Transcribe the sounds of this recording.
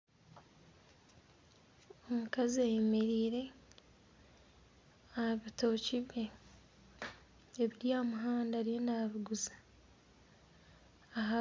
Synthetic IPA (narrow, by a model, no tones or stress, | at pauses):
omukaziajemeɾiːɾe̞ | aβito̞ːciβje | βiɾjaːmuɦaːndaɾjenaβiɡuzḁ | ɦa